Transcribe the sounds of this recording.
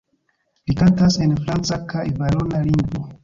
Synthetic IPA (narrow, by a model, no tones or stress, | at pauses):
likantase̞nfɾant͡sakajvaɾonaliŋɡvo